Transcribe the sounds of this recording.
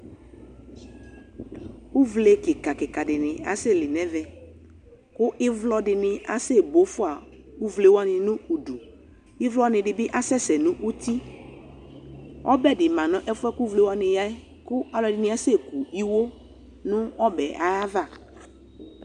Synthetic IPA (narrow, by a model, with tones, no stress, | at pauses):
u˦vle˨kɪ˨ka˨kɪ˨ka˨dɪ˨nɪ̃˨a˨sɪ˦˨lɪ˨nɛ̃˦vɛ˨ | kʊ˦ʔɪ˦vlɔ˦dɪ˨nɪ˨a˦se˦˨bo˨˦fʊ˦a˨ | u˦vle˨˦wa˦nɪ̃˨nʊ̃˦u˨du˨ | ɪ˦vlɔ˦nɪ̃˨dɪ˨bɪ˦ʔa˦sɛ˦sɛ˨nʊ̃˦ʔu˦t̪i˦ | ɔ̰˦bɛ˦˨dɪ˨mã˨nʊ̃˦ʔɛ˦fɛ˦ku˦vle˦wa˦nɪ̃˨ja˦ | kʊ˦a˨lɔ˨dɪ˨nɪ˦a˦se˦˨ku˨i˦wo˦ | nʊ̃˦ɔ˦bɛ˨ʔa˨a˦va˦˨